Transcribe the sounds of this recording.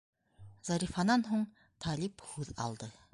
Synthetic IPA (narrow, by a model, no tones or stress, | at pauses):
z̥ɑɾifɑnɑnɦoɴ | t̪ʰɑliphʉðɑ̰lˠd̪ə